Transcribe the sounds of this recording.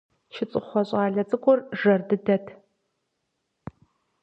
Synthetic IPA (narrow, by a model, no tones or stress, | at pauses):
ʃɪt͡sʼɨχʷɔɕʼaːɮɐt͡sʼɨkʷʰʼɔrʒɐrdɨdɐtʰ